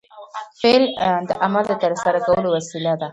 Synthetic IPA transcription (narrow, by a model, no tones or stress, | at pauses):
feld̪əʔamald̪ət̪əɾsaɾakawəlowasilad̪a